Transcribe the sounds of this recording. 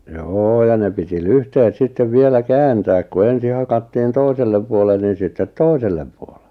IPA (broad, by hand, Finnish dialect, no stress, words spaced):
joː jɑ ne piti lyhtehet sitːeʋ ʋielæ kæːntæːk ku ensi hɑkɑtːiːn toiselːem puolen niːn̞ sitːet toiselːem puole̥